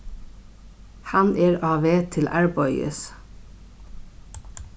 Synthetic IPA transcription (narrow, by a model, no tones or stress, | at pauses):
hɑnʔeːɹɑːʋeːt̪ʰɪlʔæɹbɔʏə̰s